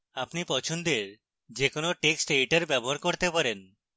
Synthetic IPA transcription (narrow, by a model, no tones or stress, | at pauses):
apnipɔt͡ɕʰond̪eɾ | d͡ʑekonoʈeksʈejʈeɾbɛboɦaɾkoɾt̪epaɾen